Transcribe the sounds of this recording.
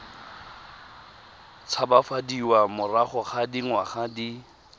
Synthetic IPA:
t͡sʰabafadiwamʊraχʊχadiŋwaχadi

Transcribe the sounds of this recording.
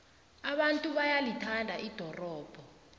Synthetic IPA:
aɓantʼuɓajalitʰandʱaʔid̥ʱɔrɔːb̥ʱɔ

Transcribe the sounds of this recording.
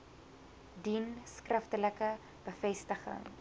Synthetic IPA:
dinskrəftələkə | b̥əfɛstəχə̰ŋ

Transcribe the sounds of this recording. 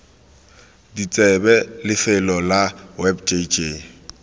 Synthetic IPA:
dit͡sʼɛbɛlɪfɪlɔlawɛbt͡ʃʼet͡ʃʼeː

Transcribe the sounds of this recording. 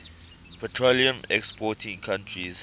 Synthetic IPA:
pʰɔtʰɹoliə̃mɛkspʰɔtʰĩŋkʰãntʰɹiz

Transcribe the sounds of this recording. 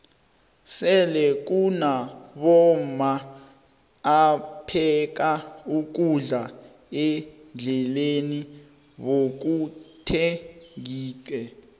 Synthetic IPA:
sɛlɛk̬unaɓɔma | pʰɛk̬auk̬uɮa | ɛnd͡ɮʱɛleni | ɓok̬utʰɛiːkʼɛ

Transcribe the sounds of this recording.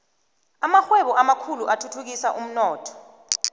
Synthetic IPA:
amaxwɛɓɔʔamakʰuluʔatʰutʰuk̬isaʔum̩nɔːtʰɔ̥

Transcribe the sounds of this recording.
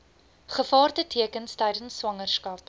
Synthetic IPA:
χəfɑːrtətʰiəkənstɛjdənswɐŋərskɐp̚

